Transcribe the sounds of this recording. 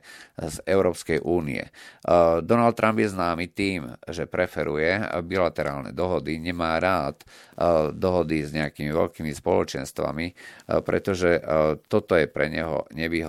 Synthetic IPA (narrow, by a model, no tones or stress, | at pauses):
zɛʊɾɔːpskɛjʔuːnḭɛ̰ | d̪ɔnalt̪̚ːɾʔambjɛznaːmit̪iːmʒɛpɾɛfɛɾujɛbilat̪ɛɾaːlnɛ̰d̪ɔɦɔd̪iɲɛmaːɾaːt̪ | d̪ɔɦɔd̪izɲɛakimiʋɛ̰ʎkiːmispɔlɔt͡ʃɛnst̪ʋa̰mipɾɛ̰t̪ɔʒɛt̪ɔt̪ɔjɛpɾɛɲɛɦɔ̰ɲɛʋiːɦ